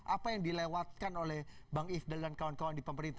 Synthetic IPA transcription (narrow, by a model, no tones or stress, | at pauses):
ʔapajaŋdilewat̪̚kanolɛhbaŋifdaldankawankawandipəməɾint̪